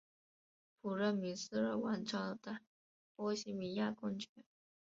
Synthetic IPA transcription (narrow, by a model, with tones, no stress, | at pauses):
pʰu˨˩ɻə˥˩mi˧˥sɹ̩˥ɻə˥˧wa˥˩nʈ͡ʂɑ˥t̪a˥˩ | pɔ˥ɕi˧˥mi˧˥ja˥˧kʊ˥˧ŋt͡ɕʰɛ˥˦n